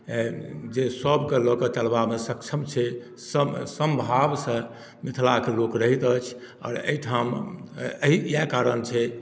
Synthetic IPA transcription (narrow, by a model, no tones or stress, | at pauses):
d͡ʒesəbkelɔkət͡ʃəlbamesəkt͡ʃʰəmt͡ʃʰɛ | səsəmbʱabsə̃ | mit̪ʰlakelokɾəɦit̪ət͡ʃʰ | ɔ̰ːɾə̰iʈʰaməɦijakaɾənt͡ʃʰɛ